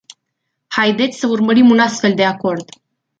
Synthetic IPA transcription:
hajd̪e̞t̪sʲsəurməɾimunast̪fe̞ld̪e̞ako̞rd̪

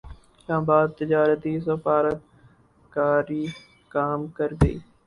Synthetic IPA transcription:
slaːmbaːd̪̚t̪ɪd͡ʒaːɾət̪is̬ɐfaːɾət̪ | kaːɾiː | kaːmkɐɾɡəḭː

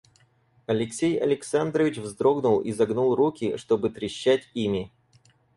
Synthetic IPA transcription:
ɐlʲɪksʲejɐ̰lʲɪksand̪ɾəvʲɪt͡ɕvzd̪ɾo̞ɡnʊlˠḭzɐɡnulˠrukʲɪʂt̪o̞bɨt̪ɾʲɪɕːætʲimʲɪ

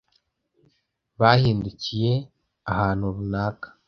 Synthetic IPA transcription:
βahiːnducije̞ | ahaːnhuβunaːkḁ

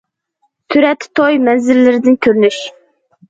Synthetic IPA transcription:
t̪ʰyɾɛt̪ʰːɪ̥t̪ʰojmɛnzɪɾlɪɾɪd̪ɪnkʲʰøɾnyʃ

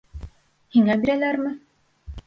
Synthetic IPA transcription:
hiŋæbiɾælæɾmɘ

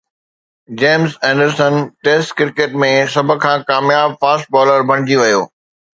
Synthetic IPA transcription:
d͡ʑeːmzɛ̃ːɳɖəɾsənʈeːsʈkɪɾkeːʈmẽsɐbʱʊ̆kʰãːkaːmjaːbfaːsʈ̚bɔːləɾbʱɐɽ̃ɪ̃d͡ʑiʋɐjoː

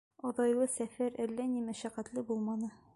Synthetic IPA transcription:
ɒðɑjwɤsæfæɾʔɘlːænimæʃæqæt̪lɘbulˠmɑnɤ

